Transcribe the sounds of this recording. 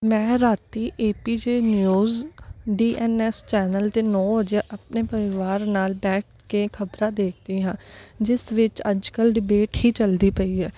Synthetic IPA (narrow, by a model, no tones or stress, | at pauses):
mɛ̃ːɾaːt̪iːʔeːpiːd͡ʒeːnjuːzɖiːʔɛːnɛst͡ʃɛːnəlt̪eːnɔːʋəd͡ʒaʔəp̚neːpəɾɪʋaːɾnaːlbɛːʈ̚ʰkekʰəbɾãːd̪eːk̚ʰd̪iːɦãːd͡ʒɪsʋɪt͡ʃəd͡ʒkəlɖɪbeːʈhiːt͡ʃəld̪iːpəiːɛː